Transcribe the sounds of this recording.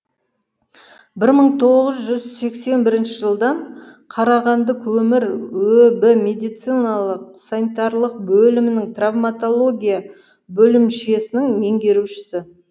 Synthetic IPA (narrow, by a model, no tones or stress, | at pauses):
bɪɾməɴt̪ʰo̞ʁəzʒʏzse̞kse̞nbɪɾɪnʃɪʒəlˠd̪ɑɴqʰɑɾɑʁɑnd̪əkʰɵmɪɾwɵbɪmʲe̞d̪ijt̪sijnɑlˠəq̚sanit̪ɑɾlˠəq̚bɵlɪmɪnɪŋt̪ravmat̪o̞lˠo̞ɡʲija | bɵlɪmʃe̞sɪnɪŋme̞ŋɡʲe̞ɾuʃɪ̥sɪ